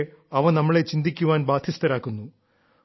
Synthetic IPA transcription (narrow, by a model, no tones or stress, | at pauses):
ɐʋɐnɐmːɐɭet͡ɕind̪ikʲːuʋaːnbaːd̪ʰʱjist̪ɐɾaːkːunːu